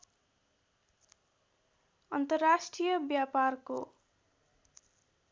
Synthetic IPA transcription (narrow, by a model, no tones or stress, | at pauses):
ʌnt̪ʌrːasʈrijʌbjaparko